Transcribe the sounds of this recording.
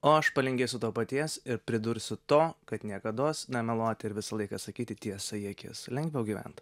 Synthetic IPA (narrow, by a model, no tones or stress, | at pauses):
oːɐʃpɐlʲɪŋʲɡʲeɪsʲʊt̪oːpɐt̪ʲiɛsɪɾpʲɾʲɪd̪ʊɾʲsʲʊt̪oːkɐt̪nʲiɛkɐd̪oːsnʲɛmʲɛlˠoːt̪ʲɪɾʋʲɪsɐlˠɐɪkɐsɐkʲiːt̪ʲɪt̪ʲiɛsɐjiɛkʲɪːslʲɛŋʲɡʋʲɛʊɡʲiːʋʲɛ̰nt̪